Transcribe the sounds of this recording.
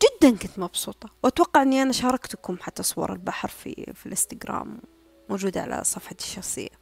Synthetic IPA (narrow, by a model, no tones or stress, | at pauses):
d͡ʒɪd̪ːankʊnt̪mɑbsuːt̪ˤɑwʔat̪wɑqːɑʕɪnːiʔanaʃɑːɾˤɑkt̪ʊkʊmħat̪ːasˤʊwɑ̰ɾˤɪlbaħɾfḭfilʔɪst̪ɪɡɾa̰ːmː | od͡ʒuːd̪aʕa̰lʔa̰sˤɑfħɑt̪ʃːɑxsˤɨ̰jːa